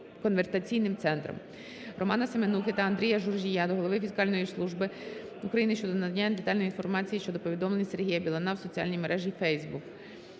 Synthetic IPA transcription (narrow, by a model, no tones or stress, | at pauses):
kɔnʋersɐt͡sʲijnɪmt̪sɛnt̪ɾɔ̰m | rɔmɑnɐsemenukɪt̪ɐɐnd̪ɾʲijɐʒurʒʲijad̪ɔɦɔlˠɔʋɪfʲiskɑlʲnɔjislˠuʒbɪukɾɐjinɪʃt͡ʃɔd̪ɔnɐd̪ɐnʲːad̪et̪ɑlʲnjinfɔrmɑt͡sʲijiʃt͡ʃɔd̪ɔpɔʋʲid̪ɔmlˠenʲise̞rɦijɐbʲilˠɐnɑwsɔt͡sʲiɑ̰lʲnʲijmeɾʔɛʒʲifɛjzbuk